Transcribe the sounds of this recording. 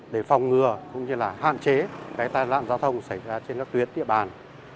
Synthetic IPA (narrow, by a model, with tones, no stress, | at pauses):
ɗe˧˩fa˨˩wŋ͡mŋɨ˨˩əkʊ̰˧˥ŋ͡mɲɨ˧laː˨˩ha̰ː˧˨nt͡ɕe˨˦kaː˨˦jt̪aː˧jla̰ː˧˨nzaː˨˦wt̪ʰə˧wŋ͡msa˧˩jzaː˧t͡ɕe˧nkaː˦˥k̚t̪wət̚ɗ̪ḭ˧˨əɓaː˨˩n